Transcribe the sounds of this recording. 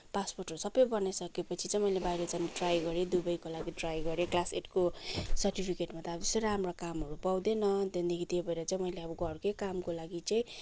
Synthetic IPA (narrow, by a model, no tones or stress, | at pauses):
pasporʈʌɾusʌbʌjbʌnʌsʌkepʌt͡sʰit͡sãĩmʌjlebajɾʌt͡sãnʈrajɡʌɾed̪ubʌjkolaɡiʈrajɡʌɾeklaseʈkosʌrʈipʰikeʈmat̪ad͡zʌseɾɦamrakamɦʌɾupawd̪enʌd̪ʌnd̪ikit̪iebʱʌeɾʌt͡saĩmʌjleʌbʌɡʌrkekamkolaɡit͡saĩ